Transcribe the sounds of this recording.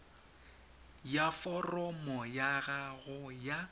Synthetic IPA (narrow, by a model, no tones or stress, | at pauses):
jafɔrɔmɔjaɣaɣʊja